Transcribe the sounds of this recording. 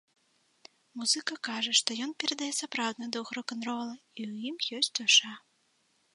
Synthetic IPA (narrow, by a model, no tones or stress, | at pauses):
muzɨkɐkaʐɐʂt̪ɔjɔnpʲɛɾɐd̪ajɛsapɾawd̪nɐjd̪uwxɾɔkɐnrɔlˠɐiwjimjɔsʲtʲd̪ɔʂa